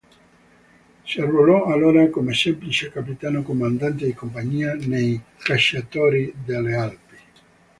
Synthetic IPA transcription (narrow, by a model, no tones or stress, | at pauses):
siarvolɔalːoːɾakomesɛmplit͡ʃekapit̪aːnokomand̪ant̪ed̪ikompaɲiːanejkaʃat̪ɔːɾid̪alːealpi̥